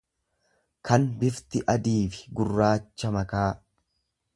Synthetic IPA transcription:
kʰɐnbɪft̪ɪʔɐd̪iːfɪ̥ɡʊrːaːt͡ʃːɐmɐkaː

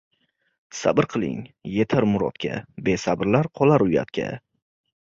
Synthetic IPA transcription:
sa̰bɾqʰɨlˠɪ̰ŋjet̪ʰaɾmʊɾɒ̰t̪kʲʰa̰be̞sabɾlaɾqʰɒlˠaɾʊja̰t̪kʲʰa̰

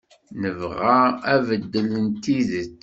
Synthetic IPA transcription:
nəvʁaævəd̪ːələnt̪iðət͡sː

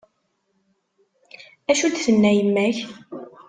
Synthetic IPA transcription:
æʃud̪θənːæjəmːæç

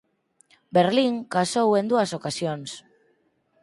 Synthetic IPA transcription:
beɾliŋkasowend̪uasokasions

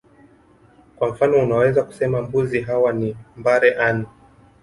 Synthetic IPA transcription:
kwam̩fanɔunawɛzaku̥sɛmambuziɦawanimbaɾɛʔanu

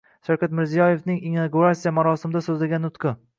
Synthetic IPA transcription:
ʃawkʲat̪mɪɾzijɒje̞fnɪŋinnaɡuɾat̪sijamaɾɒsɪmɪd̪asɵzlaɡʲanːʊt̪qʰɨ

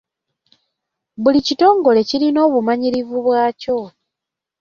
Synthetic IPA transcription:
βulicito̞ːŋɡo̞le̞ciɾino̞ːβumaɲiɾivuβwaːco̞

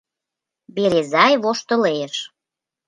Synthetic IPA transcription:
beɾezɑjβoʃt̪ə̆leʃ

